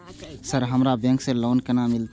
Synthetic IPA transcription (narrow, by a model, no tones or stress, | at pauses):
səɾɦəmɾabẽŋksẽloːnkenamilt̪